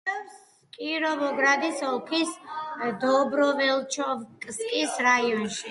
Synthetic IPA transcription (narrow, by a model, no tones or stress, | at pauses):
kʼiɾɔbɔɡɾad̪isɔlˠkʰisd̪ɔbɾɔvɛlˠt͡ʃʰɔvkʼskʼisɾaiɔnʃi